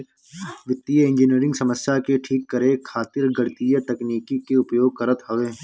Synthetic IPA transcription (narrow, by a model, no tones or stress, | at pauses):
ʋɪt̪ːijəɪ̃ɲd͡ʒɪniəɾɪ̃ŋɡsɐməsjakeʈʰiːkːɐɾekʰaːt̪ɪɾɡɐɽt̪ijət̪ɐkniːkikeʊpjoːɡ̚kɐɾət̪ɦɐʋeː